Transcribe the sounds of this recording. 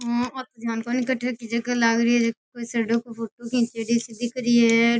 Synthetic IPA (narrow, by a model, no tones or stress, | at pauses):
ɦaɔːɾt̪od̪jaːnkonɪkəʈʰekid͡ʒɐɡalaːɡɾiɛd͡ʒɐkoisɐɾɖokopʰoːʈokʰĩːt͡ʃeɽisɪd̪ʱːikəɾiɛ